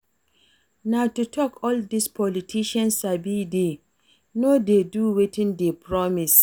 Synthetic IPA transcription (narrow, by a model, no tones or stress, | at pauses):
natutʰɔkʰɔldispʰɔlitʰiʃãnsabide | nodeduwetʰɪ̃ndepʰɹɔmis